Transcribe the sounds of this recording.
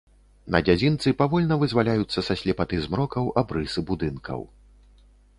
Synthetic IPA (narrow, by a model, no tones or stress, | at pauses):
nɐ̰d͡zʲad͡zʲint̪sɨpavɔlʲnɐvɨzvalʲajut̪sːɐsɐsʲlʲɛpat̪ɨzmɾɔkɐwʔabɾɨsɨbud̪ɨnkɐ̰w